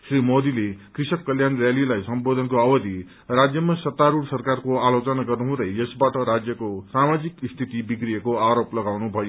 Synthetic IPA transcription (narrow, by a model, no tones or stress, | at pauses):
srimod̪ilekrisʌkːʌljanrjalilajsʌmbod̪ʱʌnkoʌbʌd̪ʱi | rad͡zjʌmasʌt̪ːaɾuɽsʌrkarkoalot͡sʌnaɡʌrnuɦũd̪ʌjʌsbaʈʌɾad͡zjʌkosamad͡zikist̪ʰit̪ibikrijekoaɾoplʌɡawnubʱʌjo